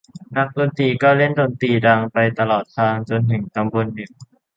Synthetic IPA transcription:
na˦˥k̚doː˧nt̪iː˧kɔː˥˩le˥˩ndoː˧nt̪iː˧daː˧ŋpa˧jt̪a˧lɔː˨˩t̪̚ʰːaː˧ŋt͡ɕo˧nt̪ʰɯ˨˩˦ŋka˧mbu˧nːɯ˨˩ŋ

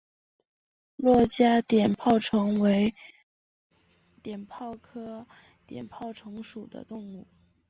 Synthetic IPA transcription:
lwɔ˥˩t͡ɕja˥t̪jɛ˨˩npʰɑ˥˩ʊʈ͡ʂʰɤ˧˥ŋwe˧˥ɪ | t̪jɛ˨˩npʰɑ˥˩ʊkʰɤ˥ | t̪jɛ̰˨˩npʰɑ˥˩ʊʈ͡ʂʰɤ˧˥ŋʂu˨˩d̪ə̰˦t̪ʊ˥˧ŋu˥˩

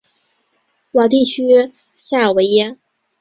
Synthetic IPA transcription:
wa˨˩t̪̬i˥˩t͡ɕʰy˥ | ɕja˥˩ə˞˨˩we˧˥ɪjɛ˥

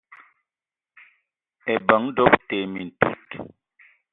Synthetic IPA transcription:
ɛ˨bə˨˦ŋ˦do˦˨pte˨mi˨n̩˨tṵ˦˨t

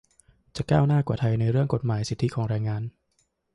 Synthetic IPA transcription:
t͡ɕa˨˩kaː˥˩wnaː˥˩kwaː˨˩t̪ʰa˧jna˧jɾɯ˥˩əŋko˨˩t̪̚maː˩˦jsi˨˩t̪ʰːi˦˥kʰɔː˩˦ŋɾɛː˧ŋaː˧n

